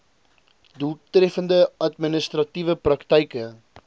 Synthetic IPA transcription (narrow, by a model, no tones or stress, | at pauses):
dutrɛfəndəɐtminəstrɐtivəprɐktɛjkə